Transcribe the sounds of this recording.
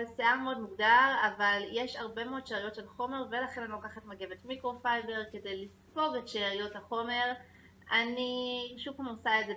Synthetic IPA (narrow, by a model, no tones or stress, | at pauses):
eseameo̞dmuɡdaʁavaljeʃaʁbe̞meod̪̚ʃeʁijo̞tʃelχo̞me̞ʁve̞laχe̞nanilokaχatmaɡe̞vetmikʁo̞fajde̞ʁke̞dejlispo̞ɡetʃeʁijotaχo̞me̞ʁ | aniʃukamosaeze